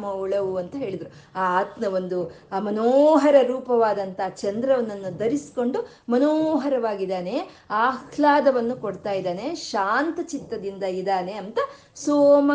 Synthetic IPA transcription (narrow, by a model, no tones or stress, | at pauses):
mɐuɭɐʋuɐnt̪ɐɦe̞ːɭid̪ɐɾu | aːaːt̪nɐʋo̞nd̪u | mɐnoːɦɐɾɐɾuːpɐʋaːd̪ɐnt̪ɐɦːt͡ʃɐnd̪ɾɐʋɐnːɐnːud̪ɐɾisi̥ko̞ɳɖu | mɐnoːɦɐɾɐʋaːɡid̪aːne̞ | aːkʰlaːd̪ɐʋɐnːukoɽt̪aːjid̪aːne̞ʃaːnt̪ɐt͡ʃit̪ːɐd̪ind̪ɐid̪aːne̞ɐnt̪ɐ | soːmɐ